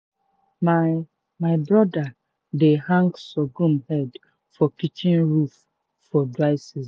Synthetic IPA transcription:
ma | maɪbɹɔda | dehãŋɡsɔɡũmhɛd | fɔkit͡ʃĩnɹuf | fɔdɹaɪsis

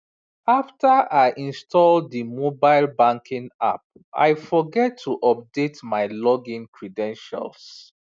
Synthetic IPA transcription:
aftʰaaɪʔĩnstʰɔldðimobaɪlbãŋkʰĩŋa̰p̚ | a̰ɪfɔɡɛtʰːuʔɔp̚detmaɪlɔɡĩnkʰɹidɛ̃nʃa̰ls

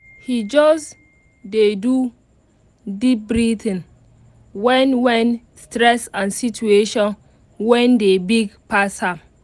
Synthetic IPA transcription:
hid͡ʒɔs | dedu | dip̚bɹitĩn | wɛ̃nwɛ̃n | stɾɛsãnsitueʃɔ̃n | wɛ̃ndebiɡpashãm

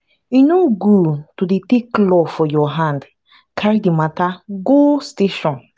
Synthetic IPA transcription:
inoɡutudeteklɔfɔjɔɦãnd | kʰaɾidimataɡosteʃɔ̃n

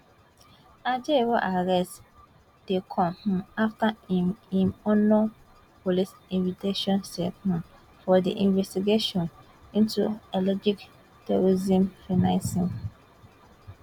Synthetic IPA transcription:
ad͡ʒewɔʔaɹɛst | d̥ekʰɔ̃mhũaftaĩmɔnɔ | polisĩnvitʰeʃɔ̃nsɛhũ | fɔdḭʔĩnvɛstiɡeʃɔ̃n | ĩntuelɔd͡ʒik | tuɹizĩmfinãnsĩm

